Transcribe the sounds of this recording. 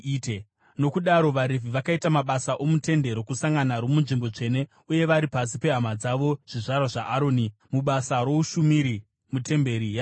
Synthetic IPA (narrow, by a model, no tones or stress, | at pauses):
te | no̞kuɗaɾo̞ʋaɾevʱiʋakaitamaɓasaʔo̞mute̞nde̞ɾo̞kusaŋɡanaɾomunʐimbo̞t͡ʂe̞ne̞ | uje̞ʋaɾipas̬ipe̞ɦamad͡zaʋo̞ʐ̥iʐarwaʐaʔːɾoːnimuɓasaɾo̞uʃumiɾi | mute̞mbe̞ɾija